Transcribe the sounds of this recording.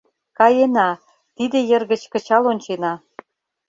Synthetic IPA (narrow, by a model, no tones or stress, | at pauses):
kɑjenɑ | t̪id̪ĕjə̆rɣə̆t͡ɕkə̆t͡ɕɑlonʲt͡ɕenɑ